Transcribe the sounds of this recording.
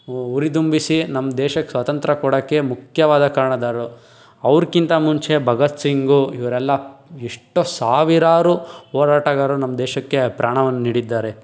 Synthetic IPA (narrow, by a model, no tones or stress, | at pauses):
uɾit̪umbisinɐmːɐd̪ɛːʃɐkːesʋɐt̪ɐnt̪ɾɐkɔɽɐkːe̞mukʰjɐʋaːd̪ɐkaːɾɐɳɐd̪aːɾu | ɐʋɾkint̪ɐmuɲt͡ʃe̞bʱɐɡɐt̪siŋɡuiʋɐɾɛlːɐiʂʈosaːʋiɾaːɾuɦɔːɾaːʈaɡaːɾunɐmːɐd̪ɛːʃɐkːe̞pɾaːɳɐʋɐnːɐniːɽid̪ːaːɾe̞